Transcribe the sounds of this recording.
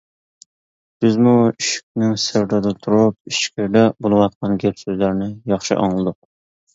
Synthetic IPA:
b̥ɪzmuiʃi̥k̚ʲnɪŋsɪɾd̪ɨd̪ɨt̪ʰuɾup̚iʃkʲɪɾd̪ɛbolˠɨwɑt̪̚qɑnɡʲɛpsøzlæɾnɪjɑχʃɨ̰ʔɑ̰ŋlˠɨd̪ʊq̚

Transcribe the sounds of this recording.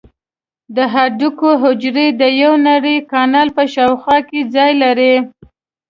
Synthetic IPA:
d̪əɦaɖukoɦʊd͡ʒɾed̪əjawnaɽəjkɑnɑlpəʃɑwxwɑked͡zɑjlaɾe

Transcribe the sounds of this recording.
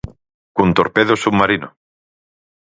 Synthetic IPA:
kunt̪oɾpeðosumaɾino̰

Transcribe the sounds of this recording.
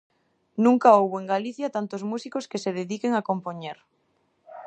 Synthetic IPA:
nũŋkaowβoeŋɡaliθjat̪ant̪ozmusikoskeseðeðikeŋakompoɲeɾ

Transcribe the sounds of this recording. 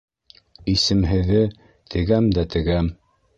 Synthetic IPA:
isɘ̆mɦɘ̆ðɘ | t̪ʰɘ̆ɡæmd̪æt̪ɘ̆ɡæm

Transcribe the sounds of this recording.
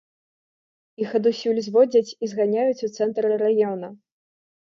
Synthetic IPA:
ixɐd̪usʲulʲzʲvɔd͡zʲɐt͡sʲizɣanʲajut͡sʲut̪sɛnt̪ɾɨrajɔnɐ

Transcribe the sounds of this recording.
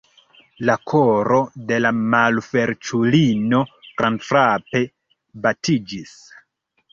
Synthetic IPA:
lakʰoɾo̞de̞lamalfe̞ɾt͡ʃulino̞ɡ̥ɾanfɾape̞ | batid͡ʒis

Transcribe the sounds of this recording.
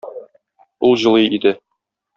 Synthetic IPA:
ulˠʑɤ̆lˠɤjid̪ɘ

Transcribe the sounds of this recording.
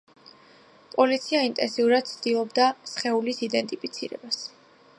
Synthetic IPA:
pʼɔlit̪sʰiaint̪ʼɛ̰nsiuɾad̪̥̚t̪sʰd̪ilˠɔbd̪asχɛulisid̪ɛnt̪ʼipʰit̪sʰḭɾɛ̰bas

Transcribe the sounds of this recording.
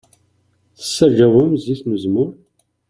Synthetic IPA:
θə̥sːæʒæwəmziθnəzmʊɾ

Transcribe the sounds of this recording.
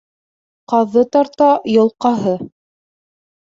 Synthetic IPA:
qɑðːɤt̪ɑɾt̪ɑjɤ̆lˠqɑɦɤ

